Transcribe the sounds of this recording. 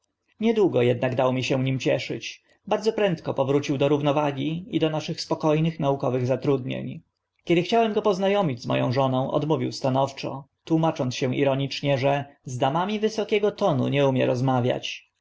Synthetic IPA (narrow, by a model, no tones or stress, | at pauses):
ɲɛd̪wuɡɔjɛd̪̚naɡd̪awɔmʲiɕɛ̃vɲimt͡ɕɛʂɘ̰t͡ɕ | baɾd̪zɔpɾɛnt̪kɔpɔvɾut͡ɕiwd̪ɔɾuvnɔvaɡʲiid̪ɔnaʂɘxspɔkɔjnɘxnaukɔvɘɣzat̪ɾud̪ɲḛɲ | kʲɛd̪ɘxt͡ɕawɛmɡɔpɔznajɔmʲid͡ʑzmɔ̰jɔ̰̃w̃ʐɔnɔ̃w̃ʔɔ̰d̪muvʲiwst̪anɔft͡ʂɔ̰t̪wumat͡ʂɔnt̪ɕɛ̃ʔḭɾɔɲit͡ʂɲɛʐɛzd̪amamʲivɘsɔkʲɛɡɔt̪ɔnṵɲɛumʲjɛɾɔzmavʲja̰t͡ɕ